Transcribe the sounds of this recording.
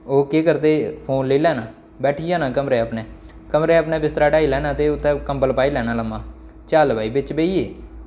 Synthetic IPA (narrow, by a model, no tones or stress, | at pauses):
oːkeːkəɾd̪eːpʰoːnleːlɛːnaː | bɛːʈʰiːãːnãːkəmɾeːəpnɛː | kəmɾeːəpnɛːbɪst̪ɾaːɖaːiːlɛːnãːt̪eːʊt̪ʰːɛ̃ːkəmpəlpaːiːlɛːnaːləmãː | t͡ʃaːlbaːiːbɪt͡ʃbeːiːeː